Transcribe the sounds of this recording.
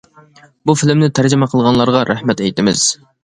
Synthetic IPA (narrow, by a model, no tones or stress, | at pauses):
bufɪlɪmnɪt̪ʰæɾd͡ʒɪmɛqʰəlˠʁɑnlˠɑɾʁɑɾæhmɛt̪ɛjt̪ɪmɪ̰z̥